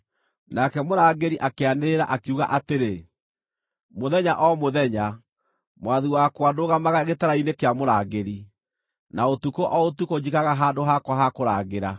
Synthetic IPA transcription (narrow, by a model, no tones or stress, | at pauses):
nakɛmoɾaːɣeɾiʔakeaneɾa̰ʔakuɣa̰ʔateɾe | moðɛɲaʔɔmoðɛɲa | mwaðiwakwadoɣamaɣaɣetaɾainekeamoɾaɣɡeɾi | naotukoʔɔotukoɲikaɣaɦaːndoɦakwaɦakoɾaːɣeɾa